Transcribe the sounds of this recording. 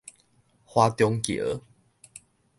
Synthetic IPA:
hwa˦t̪jɔ˦ŋkḛ˨ʔə˨˦

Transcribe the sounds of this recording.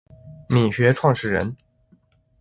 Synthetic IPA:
mi˨˩ɕɥɛ˧˥ʈ͡ʂʰwɑ˥˧ŋʂɻ̩˥˩ɻə̰˧˥n

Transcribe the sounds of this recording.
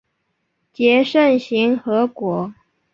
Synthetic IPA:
t͡ɕjɛ˧˥ʂə˥˩nɕi˧˥ŋxɤ˧˥kwɔ˧˥

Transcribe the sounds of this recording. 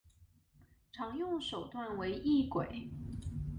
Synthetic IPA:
ʈ͡ʂʰɑ˧˥ŋjʊ˥˩ŋʂo˨˩ʊt̪wa˥˩nwe˧˥ɪʔi˥˩kwe˨˩˦ɪ

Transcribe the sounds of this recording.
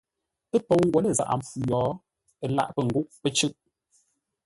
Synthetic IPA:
ə˦po˨wŋ̩˦ɡwɛ˨˦lə˦˨za̰˨ʔa̰˨m̩˨p͡ffu˨jɔː˨˦ | ə˦˨la̰˦˨ʔpə˨ŋ̩˨ɡu˦ʔpə˦t͡ʃʉ˦ʔ

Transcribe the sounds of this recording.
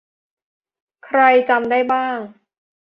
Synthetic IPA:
kʰɾa˧jt͡ɕa˧mda˥˩jbaː˥˩ŋ

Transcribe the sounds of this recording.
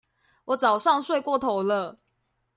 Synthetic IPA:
wɔ˨˦t͡sɑ˨˩ʊʂɑ˥˨ŋswe˥˧ɪkwɔ˥˨t̪ʰo˨˦ʊlə˧

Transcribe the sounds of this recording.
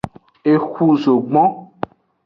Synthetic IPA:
e˨xu˦zo˨ɡ͡bɔ̃˦

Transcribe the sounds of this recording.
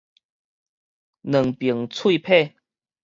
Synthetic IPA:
nə˨˩ŋpi˨˩əŋt͡sʰwi˥˧pʰe˥˧˨

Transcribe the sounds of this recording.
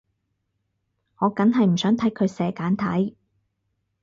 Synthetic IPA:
ŋɔː˨˧kɐ˨˥nɦɐ˨jm̩˨˩sœː˨˥ŋt̪ʰɐ˨˥jkʰɵ˨˧ɥsɛː˨kaː˨˥nt̪ʰɐ̰˨˥j

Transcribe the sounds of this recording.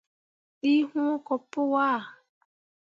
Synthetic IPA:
i˦ɦũ˦ɔ˦kɔ˨pʊ˦wa˦˨

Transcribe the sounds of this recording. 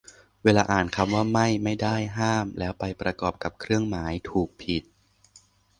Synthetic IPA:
weː˧laː˧ʔaː˨˩nkʰa˧mwaː˥˩ma˥˩jma˥˩jda˥˩jɦaː˥˩mlɛː˦˥wpa˧jpɾa˧kɔː˨˩p̚ka˨˩p̚kʰɾɯ˥˩əŋmaː˩˦jt̪ʰuː˨˩k̚pʰi˨˩t̪̚

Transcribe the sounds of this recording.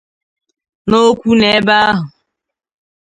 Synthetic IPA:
no˦kʷu˦ne˨˦ba˦ɦʊ˨

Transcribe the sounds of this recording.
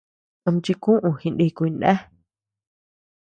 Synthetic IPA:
ə˧m˧t͡ʃi˧kũ˦ʔũ˧hĩ˧ndi˧ku˧i˧nʔḛ̃˦

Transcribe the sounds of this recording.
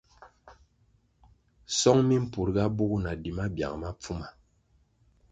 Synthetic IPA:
sɔ˦ŋmi˦m̩˦pu˨ɾɡa˦bu˦ɣu˦na˨di˨ma˦bja̰˨ŋma˦p͡fu˦ma˨

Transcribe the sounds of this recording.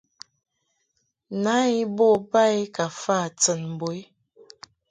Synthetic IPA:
na˨˦i˦bɔ˦˨pa˦i˦ka˨fa˦˨t͡sə˨nm˨bo˨˦i˦

